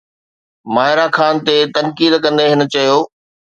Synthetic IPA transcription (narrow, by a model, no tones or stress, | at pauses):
maːɪɾaxʰaːnt̪et̪ɐnkiːd̪kɐ̃nd̪eɦɪnə̆t͡ɕɐjoː